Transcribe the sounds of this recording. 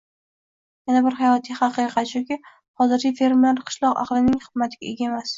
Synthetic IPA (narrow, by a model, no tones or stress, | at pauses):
janabɪɾɦajɒt̪ʰijχɑqɨqʰɑt̪ʃʊkʲɪ | hɒzɪɾɪfeɾmeɾqʰɨ̥ʃlˠɒqɑ̰qlˠɪnɪŋχɨd̪mat̪ʰɪɡʲaʔe̞ɡʲaemas